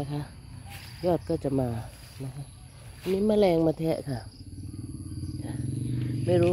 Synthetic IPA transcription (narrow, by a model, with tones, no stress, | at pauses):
a˧˥kʰa˦˥ʔ | jɔː˥˩t̪̚kɔː˥˩t͡ɕa˨˩ʔmaː˧ | na˦˥kʰa˦˥ʔ | a˧˩miː˧˥˩maː˧˩lɛː˧ŋmaː˧t̪ʰɛː˦˥ʔkʰa˥˩ʔ | kʰa˧˩ma˥˩jɾuː˦